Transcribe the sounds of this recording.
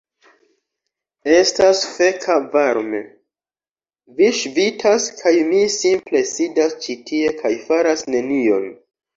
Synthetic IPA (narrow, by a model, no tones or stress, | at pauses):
e̞stasfe̞kʰavaɾme̞ | viʃvitʰaskʰajmisimple̞sidast͡ʃitʰie̞kʰajfaɾasne̞nio̞̰n